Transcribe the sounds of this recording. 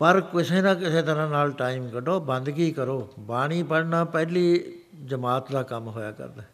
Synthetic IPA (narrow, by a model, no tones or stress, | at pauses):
pəɾkɪseːnãːkɪseːt̪əɾãːnaːlʈaːɪmkəɖoːbə̃nd̪kiːkəɾoːbaːɽ̃iːpəɽnãːpɛːliː | d͡ʒəmaːt̪d̪aːkəmɦoːja̰ːkə̰ɾd̪aː